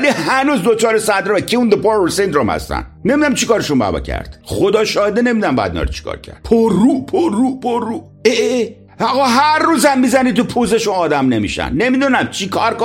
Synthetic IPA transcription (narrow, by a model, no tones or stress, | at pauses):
lihænuːzd̪ot͡ʃʰɒːɾesænd̪ɾomekʰiund̪epoɾosend̪ɾomhæ̰st̪æ̰nne̞mid̪unæmt͡ʃʰikɒːɾeʃunbæ̰ːbɒ̰ːcʰæ̰ɾd̪̥χod̪ɒːʃɒːhed̪ene̞mid̪unæmbæ̰jd̪ḭnɒ̰ɾet͡ʃʰi̥kʰɒ̰ːɾcʰæ̰ɾd̪̥pʰoɾːupʰoɾːupʰoɾːu | e | ɒɣɒɦæɾːuːzæmːizænit̪upʰuzeʃuɒːd̪æmne̞mḭʃæ̰nne̞mid̪unæmt͡ʃʰikʰɒɾko